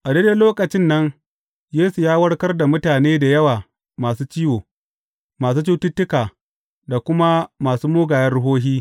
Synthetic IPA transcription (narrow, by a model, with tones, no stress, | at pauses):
ʔa˨deː˦de˦loː˦kʼɐ˨t͡ʃɪ˦nːɐ˦ŋ | jeː˦su˨jaː˦wɐ˦ɽkɐ˦rda˨mʊ˦taː˨neː˦da˨jɐ˦waː˨ | maː˨suː˦t͡ʃiː˦woː˨ | maː˨s̬uː˦t͡ʃu˦tʊ˦tːʊ˦kaː˨ | da˨kʷʊ˦ma˦maː˨suː˦moː˦ɡaː˨jɐ˦nɽʊ˦ɦoː˦ɦiː˦